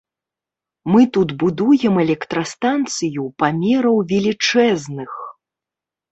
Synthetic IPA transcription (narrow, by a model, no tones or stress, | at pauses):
mɨt̪ud̪bud̪ujɛmɛlʲɛkt̪ɾɐst̪ant̪sɨjupamʲɛɾɐwvʲɛlʲit͡ʂɛznɨx